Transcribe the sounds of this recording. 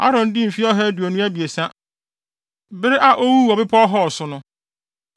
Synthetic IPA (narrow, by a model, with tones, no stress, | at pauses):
a̰˦ɾɔ̃˨ndɪ̃˦m̩˨fi˦ɔ˦ɦɛ˦du˨ɔ˨nʊ̃˦æ˦bi˨e˨sã˦ | bɪ˦ɾɪ˦ʔa˨ʔo˦wu˦˨ɔ˨bɪ˦pʰɔ˦ɦɔ˦˨sʊ˨nʊ̃˦